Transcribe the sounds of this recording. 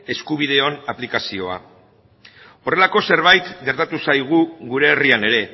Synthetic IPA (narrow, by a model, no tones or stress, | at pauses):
e̞skuβ̞iðe̞o̞naplikasio̞a̰ | o̞re̞lako̞se̞ɾβ̞ajt̪ɡe̞ɾt̪at̪usajɣ̞uɣuɾe̞ːriane̞ɾe̞